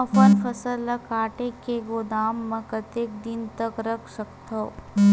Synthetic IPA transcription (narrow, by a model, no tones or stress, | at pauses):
fɐɾfʰɐsəlːɐkaːʈekeɡod̪aːmːɐ̃kət̪eːk̚d̪ɪnt̪ɐkɾɐkʰsɐkt̪ʰɐ